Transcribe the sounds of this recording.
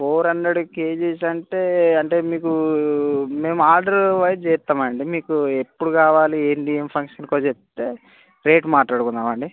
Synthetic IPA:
pʰoːɾɐnd̪eɽukeːd͡ʒeːsɐɳʈeːɐɳʈe̞ːmiːku | me̞ːmuaːɾɖɐɾʋɐjd͡ʒeːt̪ːaːmɐɳɖimiːkuepːuɽukaːʋaːlieɳɖiːempʰɐŋkʂɐnkoːt͡ʃept̪e̞ː | ɾeːʈmaːʈlaːɽukund̪aːmɐɳɖi

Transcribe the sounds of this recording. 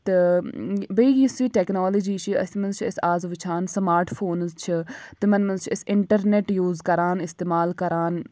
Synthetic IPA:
t̪e | bəiisiːʈɛːknoːləd͡ʒiːt͡ʃʰiɐ̰simənzt͡ʃʰːsaːzʋɪt͡ʃʰaːnsɐmaːɾʈpʰoːnzt͡ʃʰit̪emɐnmənzt͡ʃʰɪsɪɳʈəɾneʈjuːzkɐɾaːnɪst̪eːmaːlkɐɾaːn

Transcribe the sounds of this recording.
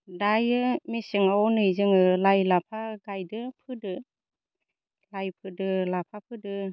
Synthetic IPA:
dajɯmesɯŋawɔnɯjzɯŋɯlajlapʰaɡajdɯpʰɯdɯ | lajpʰɯdɯlapʰapʰɯdɯ

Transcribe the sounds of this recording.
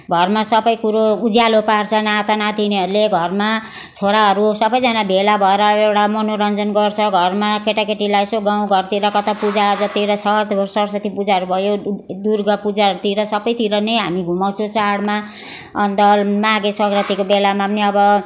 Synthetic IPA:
ɡʱʌrmasʌbʌjkuɾoud͡zjalopart͡sʰʌnat̪anat̪ineɦʌɾuleɡʱʌrma | t͡sʰoɾaɦʌɾusʌbʌjd͡zʌnabʱelabʱʌeɾʌewʈamʌnoɾʌnd͡zʌnɡʌrt͡sʰʌɡʱʌrmakeʈakeʈilajsoɡaw̃ɡʌrt̪iɾʌkʌt̪apud͡zaʌd͡zʌt̪iɾʌt͡sʰʌt̪sʌɾsʌt̪ipud͡zaɦʌɾubʱʌjod̪urɡʌpud͡zaʌɾut̪iɾʌsʌbʌjt̪iɾʌnʌjɦamiɡʱumawt͡sʰõt͡saɽma | ʌnt̪ʌmaɡesʌɡrʌt̪ikobelamamneʌbʌ

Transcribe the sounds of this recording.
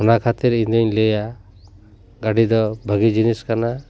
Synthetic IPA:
ɔnakʰat̪iɾind̪əɲlɛja | ɡaɖid̪ɔbʱəɡid͡ʒiniskana

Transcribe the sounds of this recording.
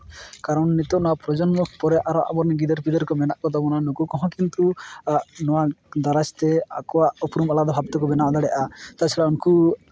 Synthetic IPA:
kaɾɔnːit̪ɔʔnɔwapɾɔd͡ʒɔnmɔkpɔɾɛʔaɾɔʔa̰bɔɾniɡid̪ɔɾpidɔɾkɔmɛnaʔkɔd̪ɔbɔnanukukɔɦɔ̃kint̪uʔnɔwad̪aɾast̪ɛa̰kɔwaʔupɾumalad̪ɔbʱabt̪ɔkɔbɛnaʔɔd̪aɽɛʔat̪at͡ʃʰɛɽaunku

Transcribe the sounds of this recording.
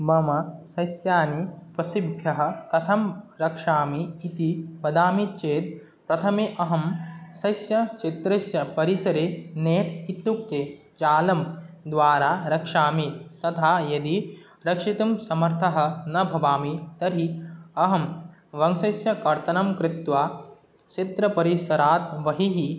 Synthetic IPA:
bɐmɐsɐsjaːnipɾɐsibʱjɐɦɐ̆kɐt̪ʰɐmɾɐkʂaːmiːt̪ibɐd̪aːmit͡ʃeːt̪̚ | pɾɐt̪ʰɐmiʔɐɦɐmsɐjsjɐt͡ʃit̪ɾɐsjɐpɐɾisɐɾeːneːʈ̪it̪ːuk̚t̪eː | t͡ʃaːlɐmd̪ʋaːɾaːɾɐkʂaːmit̪ɐt̪ʰaːjɐd̪i | ɾɐkʂit̪ɐmsɐmɐɾt̪ʰɐɦɐ̆nɐbʱɐʋaːmit̪ɐɾiɐɦɐmʋɐŋsɐsjɐkɐɾt̪ɐnɐmkɾɪt̪ʋaː | t͡ʃit̪ɾɐpɐɾisɐɾaːt̪ʋɐɦiɦi

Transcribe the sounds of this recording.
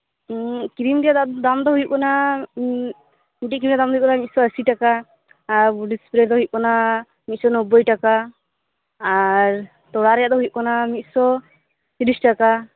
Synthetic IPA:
kiɾimɾɛjad̪ad̪amd̪ɔɦujuʔ̚kɔna | miʈ̬it̚kɾimɾɛad̪amd̪ɔujuʔ̚kɔnamit̪̚sɔəsiʈakaː | ɾuɖispɾeɾd̪ɔɦujʔ̚kɔna | mit̪̚sɔnɔbɔjʈaka | ɾ | t̪ɔɽaɾɛjaʔd̪ɔɦujuʔ̚kɔnamit̪̚sɔ | siɾisʈaka

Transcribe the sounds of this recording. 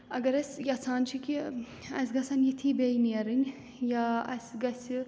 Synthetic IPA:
ɐɡɐɾɐsʲjɐt͡sʰaːnt͡ʃʰiki | ɐ̰sɡɐsɐnjit̪ʰiːbejniɐɾɨnʲ | jaɐ̰sʲɡɐsʲi

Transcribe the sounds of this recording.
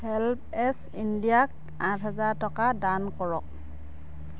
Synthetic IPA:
hɛlp̚ | ɛs | indijak̚ | ãsɦɛzatɔkadankɔɹɔk̚

